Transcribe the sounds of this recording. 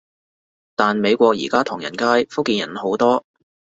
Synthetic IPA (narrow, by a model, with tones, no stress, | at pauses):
t̪aː˨nme˨˧jkʷɔː˧k̚jḭː˨˩kaː˥t̪ʰʊ˨˩ŋjɐ̰˨˩nkaː˥jfʊ˥kːiː˧njɐ̰˨˩nho˨˥wt̪ɔː˥